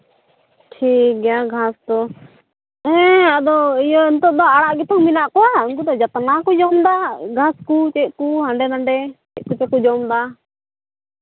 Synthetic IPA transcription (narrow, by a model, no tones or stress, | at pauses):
ʈʰik̚ɡɛjaɡʱast̪ɔ | ɦɛ̃ad̪ɔijɔɛnt̪ɔd̪ɔaɽaʔɡɛt̪ɔŋminaʔkɔauŋkud̪ɔd͡ʒat̪nakɔd͡ʒɔmd̪aɡʱaskut͡ʃɛʔ̚kuɦaɳɖɛnaɳɖɛt͡ʃɛʔ̚ˀkut͡ʃɛkud͡ʒɔmd̪a